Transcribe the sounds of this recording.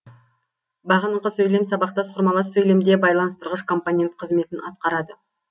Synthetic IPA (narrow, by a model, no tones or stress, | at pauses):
bɑʁənəɴqəsɵjle̞msɑbɑq̚t̪ɑsqʰʊɾmɑlˠɑsɵjle̞md̪ebɑjlˠɑnəst̪əɾʁəʃkʰo̞mponʲe̞nt̪̚qʰəzme̞t̪ɪnɑt̪̚qɑɾɑd̪ə